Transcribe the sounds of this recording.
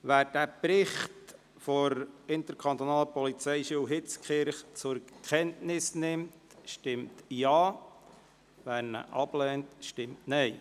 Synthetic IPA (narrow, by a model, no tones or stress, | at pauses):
ʋæːɾd̥æːpɾɪχt | fɔɾɪnt̪əɾkʰɑnt̪onɑːləpɔlit͡sɛɪʃyəwɦɪt͡skχɪɾχt͡sʊɾkʰɛntnɪsnɪmt | ʃtɪmtjɑː | ʋæːɾnə̰ʔɑblɛːntʃtɪmtnɛɪ